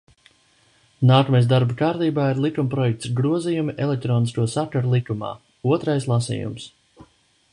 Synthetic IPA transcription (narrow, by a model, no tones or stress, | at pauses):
naːkɔmajsd̪aɾbakaːɾt̪iːbaːiɾlˠikumpɾɔjɛk̚t̪sɡɾuɔzijumiʔɛlek̚t̪ɾɔːniskuɔsakaɾulˠikuma̰ː | uɔt̪ɾajslˠasḭːjṵms